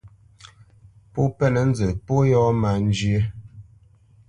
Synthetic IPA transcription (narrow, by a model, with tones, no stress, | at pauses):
po˦pɛ˦nə˨n̩˦d͡zə˨po˦jɔ˦ma˨n˦d͡ʒi˦e˦